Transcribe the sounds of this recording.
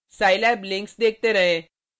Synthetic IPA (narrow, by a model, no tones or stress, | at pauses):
saːilɛːblɪ̃ŋksd̪eːk̚ʰt̪eɾɐɦẽː